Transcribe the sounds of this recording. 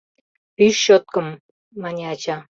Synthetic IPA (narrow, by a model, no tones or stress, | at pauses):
pyʃːot̪̚kə̆mː | ɑnʲeɑt͡ɕɑ